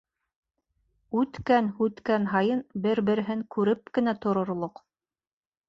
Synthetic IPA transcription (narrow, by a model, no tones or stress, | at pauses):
ʉt̪kænhʉt̪kænɦɑjɤnbɘɾbɘ̆ɾɘ̆ɦɘŋkʉɾɘp̚kɘ̆næt̪ŏɾŏɾlˠoq